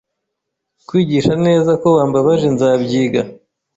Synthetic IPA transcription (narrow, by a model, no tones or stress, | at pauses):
kwiːɟiːʃane̞ːzako̞βaːmbaβaʒe̞nzaːbɟiːɡa